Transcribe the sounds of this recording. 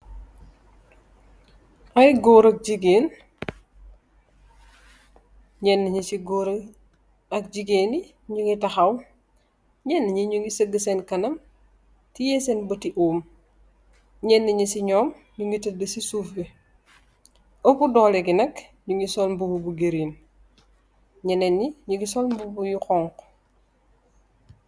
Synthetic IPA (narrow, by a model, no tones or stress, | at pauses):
ɐjɡoːɾɐk̚d͡ʒiɡeːn | ɲɛnːɐɲisiɡoːɾ | ɐk̚ɟiɡeːni | ɲuŋitɐxɐw | ɲɛnːəɲiɲuŋɡisəɡːəsɛnkɐnɐm | tijɛːsenbɐtiʔuːm | ɲɛnːɐɲisiɲɔːm | ɲuŋɡitɐdəsisuːfe | opudɔːlɛɡinɐkɲuŋɡisɔlmbububuɡeɾiːn | ɲɛnenːiɲuɡisɔlmbubujuxɔːŋk